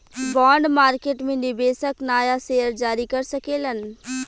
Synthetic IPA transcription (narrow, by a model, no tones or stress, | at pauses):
baːɳɖmaːɾkeːʈmẽnɪbeːsəknaːjaseːəɾd͡ʒaːɾikɐɾsɐkeːlən